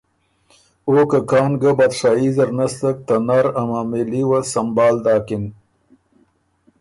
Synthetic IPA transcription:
okəkɑːnɡəbat̪ʂaizɐɾnast̪ək̚t̪anaɾamaːmeliwasɐmbɑːld̪ɑːkin

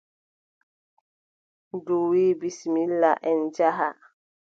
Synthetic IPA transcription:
duwiːbismilːaʔɛnd͡ʒaɦa

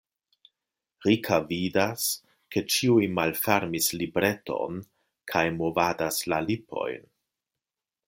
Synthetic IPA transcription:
ɾikʰavidas | ke̞t͡ʃiujmalfeɾmislibɾe̞to̞̰n | kʰajmovadaslalipo̞̰jn

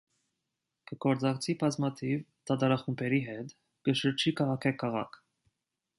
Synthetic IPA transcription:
kəɡɔɾt͡sɑkt͡sʰibɑzmɑt̪ʰivt̪ɑt̪ɑɾɑχumpʰɛɾiɦɛt̪ | ɡ̥əʃəɾt͡ʃʰikʰɑʁɑkʰɛkʰɑʁɑ̰kʰ

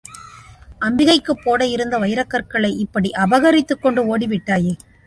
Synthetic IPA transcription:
ʔɐmbɪɣɐɪkːɯpːoːɽɐjɪɾɯnd̪ɐʋɐɪɾɐkːɐɾkɐɭɐɪʔɪpːɐɽiʔɐbɐɣɐɾɪt̪ːɯkːɔɳɖɯoːɽiʋɪʈːaːje

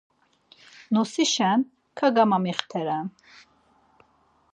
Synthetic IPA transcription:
nɔsiʃɛn | kʰaɡamamiχt̪ʰɛɾan

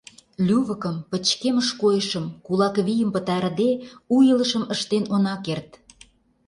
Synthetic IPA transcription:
lʲyβə̆kə̆mpə̆t͡ɕkeməʃkojəʃə̆mkulɑkβijəmpə̆t̪ɑɾd̪eujələ̆ʃə̆mə̆ʃt̪enonɑkert̪̚

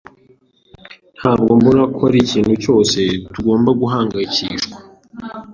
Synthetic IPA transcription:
n̥haːb̚ɡo̞mbuɾakʰoɾiciːnhuco̞ːse̞tuɡo̞ːmbaɡuɦaːŋɡaiciːʃkwḁ

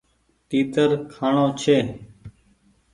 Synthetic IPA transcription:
ʈiːt̪əɾkʰaːɳoːt͡ʃʰeː

